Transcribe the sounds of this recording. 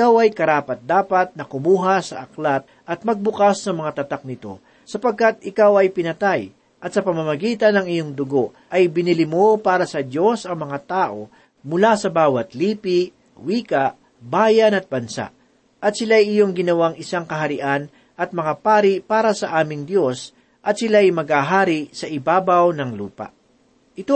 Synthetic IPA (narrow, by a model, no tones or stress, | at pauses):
ɪkawɐjkɐɾaːpɐt̪̚d̪aːpɐt̪̚nɐkʊmuːɦasɐʔɐklat̪̚ʔɐt̪̚mɐɡ̚bʊkasːɐmɐŋat̪ɐt̪ak̚nɪt̪o̞̰ | sɐpɐɡ̚kat̪̚ɪkawɐjpɪnɐt̪aj | ʔɐt̪̚sɐpɐmɐmɐɡiːt̪ɐnɐŋɪjoŋd̪ʊɡo̞ | ʔɐjbɪnɪlɪmo̞paːɾɐsɐd̪jo̞sɐŋmɐŋat̪aːʔo̞ | mʊlasɐbaːwɐt̪liːpiʔ | wiːkɐʔ | baːjɐnɐt̪̚bɐnsa̰ʔ | ʔɐt̪̚sɪlajɪjo̞ŋɡɪnɐwaŋɪsaŋkɐɦɐɾɪʔan | ʔɐt̪̚mɐŋapaːɾɪpaːɾɐsɐʔaːmɪŋd̪jo̞s | ʔɐt̪̚sɪlajmɐɡhaɦaːɾɪsɐʔɪbaːbɐwnɐŋlṵːpɐ̰ | ʔɪt̪o